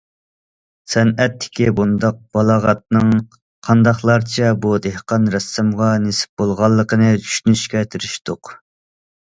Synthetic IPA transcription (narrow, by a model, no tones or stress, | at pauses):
sɛnɛt̪ʰːɪ̥kʲibund̪ɑq̚b̥ɑlˠɑːʁɑt̪̚nɨŋ | qʰɑnd̪ɑχlˠɑɾt͡ʃʰɛbud̪ehqɑnɾɛsːɨmʁɑnesɪ̥p̚b̥olˠʁɑlˠːəqənɨd͡ʒʰy̥ʃynyʃkʲɛt̪ʰɪɾyʃt̪ʊq